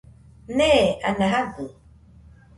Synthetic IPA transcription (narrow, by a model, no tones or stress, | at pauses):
nɛːanaɦavu